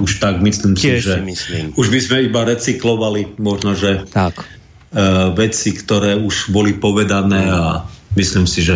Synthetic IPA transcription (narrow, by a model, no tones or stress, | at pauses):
uʃt̪aɡmisliːmsiʒɛiliuʒbizmɛibaɾɛt͡siklɔʋalimɔʒnɔʒɛtak | ʋɛt͡sikt̪ɔɾɛːuʒbɔlipɔʋɛd̪anɛːamislimsiʒɛ